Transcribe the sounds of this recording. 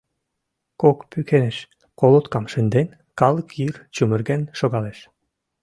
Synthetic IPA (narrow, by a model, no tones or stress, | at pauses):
kokpykʰeneʃ | kolˠot̪kɑmʃɘ̆nd̪en | kɑlˠkirt͡ɕumɘ̆rɡenʃoɣɑleʃ